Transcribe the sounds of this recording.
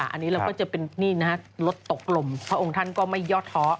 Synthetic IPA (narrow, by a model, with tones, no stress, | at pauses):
ʔa˧nːiː˦˥ɾa˧wkɔː˥˩t͡ɕa˨˩pe˧nːiː˥˩na˦ha˦˥lo˦˥t̪ːo˨˩k̚lo˧mpʰɾa˦˧ʔo˧ŋt̪ʰa˥˩nkɔː˥˩ma˥˩jːɔː˥˩t̪ʰːɔ˦˥